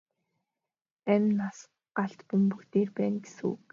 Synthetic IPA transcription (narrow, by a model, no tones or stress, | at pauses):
æmʲnas | ɢaɬt̪pɵmpɵkt̪eːrpæːnɡe̥sṵː